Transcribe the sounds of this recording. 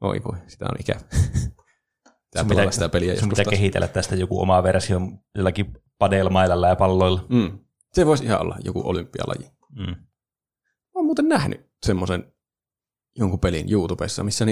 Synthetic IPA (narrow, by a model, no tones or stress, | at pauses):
o̰ḭʋo̰isi̥t̪æ̰o̰nikæʋæ | pi̥t̪æelɑæsit̪æpeliæ̰josusmpst̪ækehit̪ḛlːæt̪t̪æst̪æjokṵo̰mɑʋerɑsihomjolːɑki | pɑdeˑlmɑˑilɑlːɑjɑpɑlːoˑilːɑm̩ː | seʋoˑesihɑ̰ʔo̰lːɑ̰jo̰kṵʔo̰lympːiɑ̰lɑ̰ji | m̩ː | oːmuːt̪ennæhny̰ | semːosen | joŋkupelinjuːt̪upḛsːɑ̰misːæni